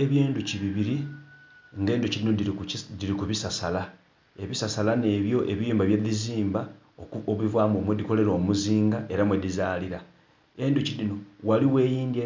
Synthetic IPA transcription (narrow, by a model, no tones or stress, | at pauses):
eβjiːnduciβiβiɾi | ŋɡe̞ːnducilinodidiɾikuβisasala | e̞βisasalane̞βjo̞ʔe̞βijuːmbaβjeðiziːmba | oβivwaːmomwediko̞le̞ɾo̞ːmuziːŋɡaʔe̞ɾamwedizaːliɾa | e̞nducidino̞waliwe̞ːjiːnde